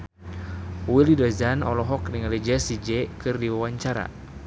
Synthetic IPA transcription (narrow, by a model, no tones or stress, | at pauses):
wilidɔzanɔlɔɦɔkniŋalid͡ʒɛsid͡ʒɛkɨrdiwawaɲt͡ʃaɾa̰